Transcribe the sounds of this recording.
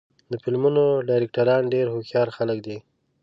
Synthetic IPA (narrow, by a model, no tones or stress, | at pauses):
d̪əfɪlmunoɖɑjɾɪk̚ʈaɾɑnɖeɾhoxjɑɾxalək̚d̪i